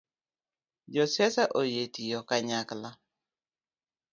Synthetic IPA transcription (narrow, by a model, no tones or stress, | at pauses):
d͡ʒɔsɛsaʔojetijɔkaɲakla